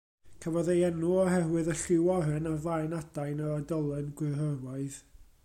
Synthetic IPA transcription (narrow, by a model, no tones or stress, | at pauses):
kʰəvɔðejɛnuɔɦɛwɨðəɬɪwɔɦɨnavlˠaɨnad̥ajnəɾadɔlˠɛnɡwɪrɦərwaɨð